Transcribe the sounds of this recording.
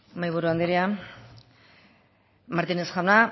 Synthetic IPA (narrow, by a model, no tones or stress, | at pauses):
majβuɾuand̪eɾia | maɾt̪inesxawna